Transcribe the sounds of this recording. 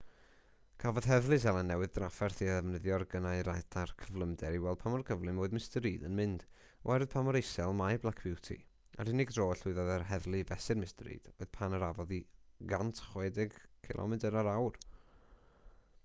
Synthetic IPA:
kʰavɔð̥ɦɛðlˠɨs̬ɛlˠanːɛwɨðdrafɛrθiðɛvnəðjɔrɡənaɨɾajθʰarkʰəvlˠəmdɛɾiwɛlˠd̥̚pʰamɔrkʰəvlˠɨmoːɨðmɪstəɾiːdənmɪnd̥ | ɔ̰ɛɾɨð̥pʰamɔɾejsɛlˠmajblˠakʰb̥ɪwtʰḭ | a̰ɾɪnɪɡdroːɬʊɨðɔðərɦɛðlˠɨvɛsɨdmɪstəɾḭːd̥oɨð̥pʰanəɾavɔðiɡantʰχwɛdɪɡkʰɪ̰lˠʔɔ̰mɪdəɾaɾawr

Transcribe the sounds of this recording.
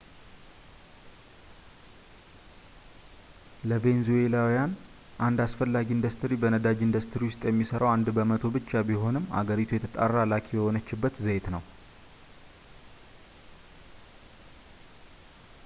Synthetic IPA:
ləbe̞nzuelawijan | ʔand̪asfəlːaɡiɨnd̪əst̪ʰɨɾibənəd̪ad͡ʒɨnd̪əst̪ʰɾiwʊst̪ʼjɛmːisəɾəwand̪bəmət̪ʰo̞bɨt͡ʃːabiɦo̞nɨmːa̰ɡəɾit̪ʰujɛt̪ʰət̪ʼarːalakʰibəhonət͡ʃːɪbːət̪zəjt̪nəw

